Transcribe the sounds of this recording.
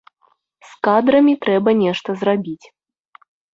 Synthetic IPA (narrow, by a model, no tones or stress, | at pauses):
skad̪ɾɐmʲit̪ɾɛbɐnʲɛʂt̪ɐzrabʲit͡sʲ